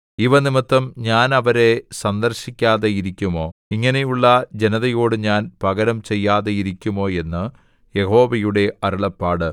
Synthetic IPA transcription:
iʋɐnimɐt̪ːɐmɲaːnɐʋɐɾe̞sɐnd̪ɐrɕikʲːaːðejiɾikʲːumo̞ːiŋːɐne̞juɭːɐd͡ʑe̞nɐðɐjo̞ːɽɨɲaːnpɐɣɐɾɐmt͡ɕe̞jːaːðejiɾikʲːumo̞ːe̞nːɨ | je̞ho̞ːʋɐjuɽe̞ʔɐɾuɭɐpːaːɽɨ

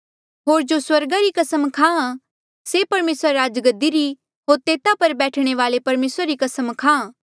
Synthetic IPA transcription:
ɦoːɾd͡ʒoswɐɾɡaɾikɐsəmkʰãːã | sepɐɾmeːsɾːaːd͡ʒɡəd̪iɾi | ɦoːɾt̪eːt̪apɐɾbɛːʈʰɽ̃eʋaːlepɐɾmeːsɾaɾikɐsəmkʰãːã

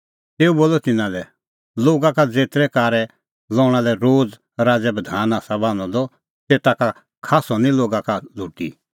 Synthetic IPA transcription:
t̪eːuboːlɔt̪ɪnãlɛ | loːɡakad͡zeːt̪ɾɛkaːɾɛ | lɔːɽ̃alɛɾoːd͡z | ɾaːd͡zɛbəd̪ʱaːnaːsabãːñɔ̃d̪ɔ | t̪eːt̪aka | kʰaːsɔnĩloːɡakaluːʈḭ

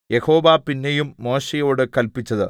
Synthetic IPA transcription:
jeho̞ːʋaːpinːejumːo̞ːɕejo̞ːɽɨkɐlpit͡ɕːɐðɨ

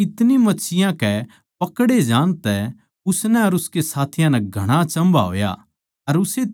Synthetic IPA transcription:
ɪt̪nimɐt͡ʃʰɪjãkɛ | pɐkɽed͡ʒãːnt̪ɛ | ʊsnɛɐɾʊskesaːt̪ʰɪjãnɛɡʱɐɽ̃at͡ʃɐ̃mba̰ɦo̰ːja̰ | ɐɾʊse

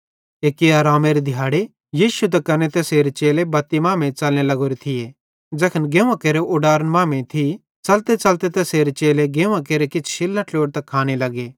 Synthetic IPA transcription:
eːkeaːɾaːmeɾed̪ʱɪjaːɽe | jiːsut̪̬ɛkɐnet̪ɛseːɾet͡ʃeːlebɐt̪ːimãːmẽt͡ʃɐlnelɐɡoːɾit̪ʰɪje | d͡ʒɛːkʰənɡẽːʋãkeːɾeʔʊɖaːɾənmãːmẽt̪ʰi | t͡sɐlt̪et͡ʃɐlt̪et̪ɛseːɾet͡ʃeːleɡẽːʋãk̬eːɾekɪt͡ʃʰʃɪlːãʈʰloːɽt̪ɐkʰːaːñelɐɡeː

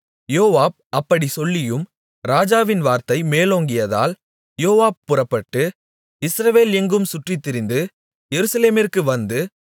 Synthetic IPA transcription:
joːʋaːb̚ʔɐpːɐɽisɔlːɪjɯm | ɾaːd͡ʒaːʋɪnʋaːɾt̪ɐɪmeːloːŋɡɪjɐða̰ːl | joːʋaːb̚pʊrɐpːɐʈːɯ | ɪsɾɐʋeːlɛŋɡɯmsʊʈrɪt̪ːɪɾɪnd̪ɯ | jɛɾɯsɐleːmɪrkɯʋɐnd̪ɯ

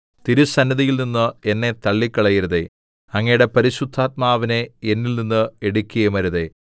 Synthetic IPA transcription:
t̪iɾusɐnːɐðijilninːɨe̞nːe̞t̪ɐɭːikːɐɭɐjiɾɐðe̞̰ | ɐŋːɐjuɽe̞pɐɾiɕud̪ʱːaːt̪̚maːʋineenːilninːɨeɽukʲːujɐmɐɾɐðe̞

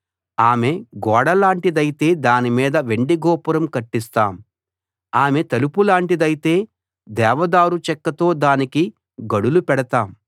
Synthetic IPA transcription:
aːme̞ɡɔːɽɐlaːɳʈid̪ɐjit̪e̞ːd̪aːnimiːd̪ɐʋe̞ɳɖiɡɔːpuɾɐmkɐʈːist̪aːm | aːme̞t̪ɐlupulaːɳʈid̪ɐjit̪e̞ː | d̪ɛːʋɐd̪aːɾut͡ʃɛkːɐt̪o̞ːd̪aːniki | ɡɐɽulupɛɽɐt̪aːm

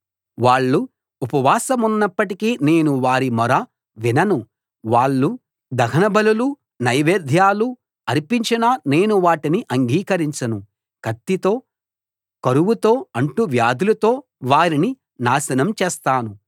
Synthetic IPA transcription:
ʋaːɭːuː | pɐʋaːsɐmunːɐpːɐʈikiːne̞ːnuʋaːɾimɔɾɐ | ʋinɐnu | ʋaːɭːu | d̪ɐɡʰɐnɐbɐlulu | nɐjʋeːd̪ʱjaːlu | ɐɾipiɲt͡ʃɐnɐne̞ːnuʋaːʈiniʔɐŋɡiːkɐɾiɲt͡ʃɐnu | kɐt̪ːit̪o̞ː | kɐɾuʋwut̪o̞ːɐɳʈuʋjaːd̪ulɐt̪o̞ː | ʋaːɾini | naːsɐnɐmt͡ʃɛːst̪aːnu

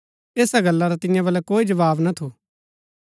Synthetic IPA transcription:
eːsaɡɐlːaɾat̪ɪ̃jãbɐlɛkoːid͡ʒɐʋaːbnɐt̪ʰoː

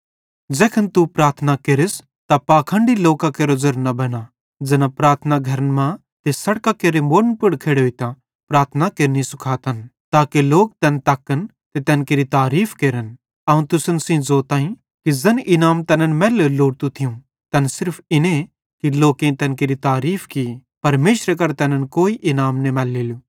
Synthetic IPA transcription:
d͡ʒɛːkʰənt̪upɾaːɾt̪ʰnakeɾɪs | t̪apaːkʰə̃ːɳɖiloːkakeːɾozɐɾnɐbɐna | d͡zɐnãpɾaːɾt̪ʰənaɡʱɐɾənmã | t̪esɐɽkakeːɾemoːɾənpʊɽkʰeːɽɦoit̪ã | pɾaːɾt̪ʰnakeɾnisʊkʰaːt̪ʰɐnt̪aːkeloːk̚t̪ɐnt̪aːkːən | t̪et̪ɛːnkeːɾit̪aːɾiːpʰkeːɾən | ɐũt̪ʊsənsĩzoːt̪aːĩ | kizɐnʔɪnaːmt̪ɛnənmɛːleloːɽt̪ũt̪ʰɪjũ | t̪ɐnsɪɾpʰɪnẽ | kiloːkẽt̪ɛːnkeɾit̪aːɾiːpʰkipɐɾmeːʃɾek̬ɐɾt̪ɛnənkoːiʔɪnaːmnemɛːlːeːlu

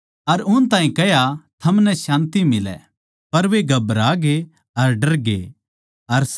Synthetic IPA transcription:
ɐɾʊnt̪ãːĩkɛjat̪ʰɐmnɛʃãːnt̪imɪlɛ̰ | pɐɾʋeɡʱɐbɾaːɡe | ɐɾɖɐɾɡḛ | ɐɾs

